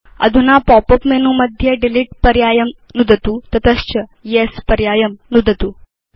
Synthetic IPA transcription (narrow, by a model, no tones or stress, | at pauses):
ɐ̰d̪ʱunapɔpəpmenuməd̪ʱjəɖiliʈpɐɾjaːjəm | nud̪ʱt̪uːt̪ɐt̪əst͡ɕəjespɐɾjaːjəmnud̪ʱət̪u